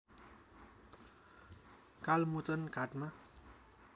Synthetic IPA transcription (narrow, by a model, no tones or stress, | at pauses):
kalmut͡sʌnkaʈma